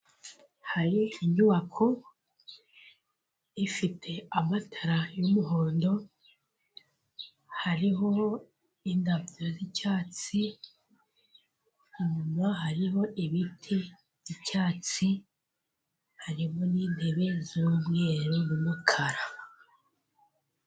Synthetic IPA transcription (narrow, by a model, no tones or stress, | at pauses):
haɾiiɲuβakʰo̞ | ifitʰe̞amatʰaɾajumuɦo̞ːndo̞ | haɾiɦo̞ | indabjo̞zicaːt͡si | uɲumaɦaɾiɦo̞ʔiβitʰi | vjicaːt͡si | haɾimo̞niːn̥he̞βe̞zuːmŋe̞ːɾunumukʰaɾa